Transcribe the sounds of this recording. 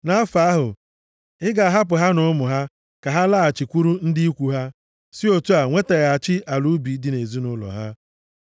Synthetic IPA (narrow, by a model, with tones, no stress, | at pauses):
na˦a˦fa˦a˦ɦʊ̰˨ | ɪ˦ɡa˨a˨ɦa˦p̬ʊ˨ɦa˦nʊ˦ʊ˦mʊ˨ɦa˦ | ka˨ɦa˦la˦˨a˨t͡ʃi˨kʷu˦ɾu˦n̩˦dɪ˦i˦kʷu˨ɦa˦ | sɪ˦o˨tu˦a˨ŋʷe˦te˨ɣa˨t͡ʃɪ˦ʔa˨lu˦bi˨˦di˦ne˨zi˦nʊ˦lɔ̰˨ɦa̰˦